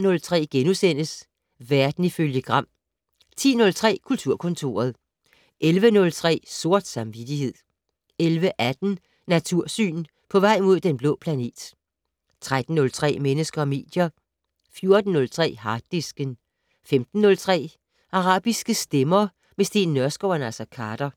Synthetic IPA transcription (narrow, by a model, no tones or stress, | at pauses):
nɔ̽lt͡sʰʁɛ̰ːɡ̥enusen̰əs | ʋæɐd̥n̩iføljəɡ̥ʁɑ̈m̰ | t͡sʰḭːnɔ̽lt͡sʰʁɛ̰ːkʰult͡sʰuɐ̰kʰɔ̽nt͡sʰo̝̰ːɐð̞̩ˠ | ʔelʋənɔ̽lt͡sʰʁɛ̰ːso̝ɐ̰d̥sɑ̈mʋid̥ihe̝ð̞̰ˠ | elʋəʔæd̥n̩ | næt͡sʰuɐ̰sy̰ːn | pʰɒ̽ʋɑ̈ɪ̰mo̝ð̞̰ˠd̥enb̥lɔ̰̽ːpʰlæne̝̰ːd̥ | t͡sʰʁad̥n̩ːɔ̽lt͡sʰʁɛ̰ːmenəsɡ̥ɐːme̝̰ːd̥jɐ | fjo̝ɐd̥n̩ːɔ̽lt͡sʰʁɛ̰ːɦɑ̈d̥isɡ̥ən | femd̥n̩ːɔ̽lt͡sʰʁɛ̰ː | ʔɑ̈ʁɑ̰̈ːb̥isɡ̥əsd̥emɐ | mesd̥e̝̰ːnːɶɐsɡ̥ɒʊɐnæsɐkʰɑːd̥ɐ